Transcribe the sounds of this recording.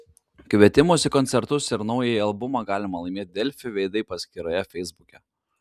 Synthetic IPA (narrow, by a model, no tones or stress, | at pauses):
kʲʋʲiɛt̪ʲɪmʊsʲɪkɔnt̪sʲɛɾt̪ʊsɪɾnɒʊjɛɐlˠbʊmɑɡɑːlʲɪmɐlˠɐɪmʲeːt̪̚ʲd̪ʲɛlʲfʲɪʋʲɛɪd̪ɐɪpɐsʲkʲɪɾɐjɛfʲɛɪzbʊkʲɛ